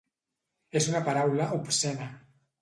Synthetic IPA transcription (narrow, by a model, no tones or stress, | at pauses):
esunapaɾawlaʔupsena